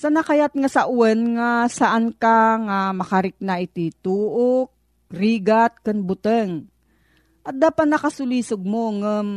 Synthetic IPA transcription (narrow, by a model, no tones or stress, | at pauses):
sanakajat̪̚ŋasaʔʊwɛnŋasaʔankaŋamɐkaɾɪk̚naʔɪt̪it̪uːʔok̚ | ɾiːɡat̪̚kɨnbʊt̪əŋ | ʔɐt̪̚d̪aːpat̪̚nɐkasʊliːsoɡ̚moŋəm